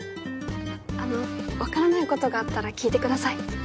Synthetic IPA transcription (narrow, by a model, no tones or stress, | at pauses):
ano̞βakaɾanaiko̞t̪o̞ɡaːt̪ːaɾakʲiːt̪e̞kɯ̟d̪asai